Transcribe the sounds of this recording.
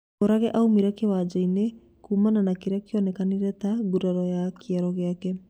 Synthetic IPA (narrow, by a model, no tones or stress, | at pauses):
oɾaɣɛʔaumiɾakewad͡ʒaine | kuːmananakeɾakjɔnɛkaneɾɛtaɡuɾaɾɔjakiaɾɔɣeakɛ